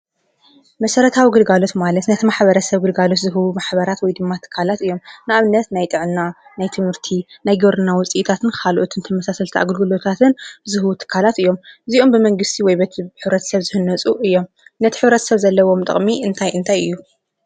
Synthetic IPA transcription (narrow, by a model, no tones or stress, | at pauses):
mɐsɐɾɐt̪ʰawiɡɨlɡalo̞t̪malɐt̪nɐt̪ʰimaħbɐɾɐsɐβɡɨlɡalo̞t̪zɨɦɨwumaħbɐɾat̪wɔjd̪ɨmːat̪ʰɨ̥kʰːalat̪ɨjo̞mnɨʔaβɨnːɐt̪najt̪ʼɨʕɨnːanajt̪ʰɨmhɨɾt̪ʰinajɡoɾɨnːawʊt͡sʼiʔit̪ʰat̪ʰɨnkkʰalʔot̪ʰɨnt̪ʰɐmɐsasɐlt̪ʰiʔa̰ɡɨlɡɨlot̪ʰat̪ʰɨnzɨɦɨwut̪ʰɨ̥kʰːalat̪ɨjːo̞mɨziʔombɨmɐŋɡɨst̪ʰiwɔjbɐt̪ʰħɨβɾɐt̪ʰɐ̥sɐβzɨhɨnːɐt͡sʼuʔɨjːo̞m | nɐt̪ʰiħɨβɾɐt̪ʰɐ̥sɐβzɐlːɐwo̞mt̪ʼɨ̰χʼmiɨnt̪ʰajʔɨnt̪ʰajɨ̰jːu